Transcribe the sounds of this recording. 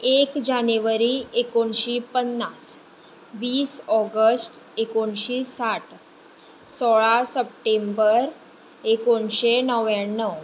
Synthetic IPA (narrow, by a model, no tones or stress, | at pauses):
ekd͡ʑaneʋəɾiekoɳɕiːpənːas | ʋiːsɔɡəsʈ | ekoɳɕiːsaʈ | sɔɭasəp̚ʈembəɾ | ekoɳɕenəʋaɳːəw